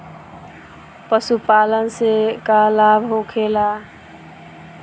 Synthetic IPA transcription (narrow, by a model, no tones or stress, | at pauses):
pəsupalənsekalabʱɦokʰela